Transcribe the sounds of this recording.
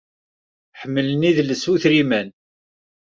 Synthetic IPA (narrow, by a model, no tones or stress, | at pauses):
ħəmːəlniðlːəsuθɾimæn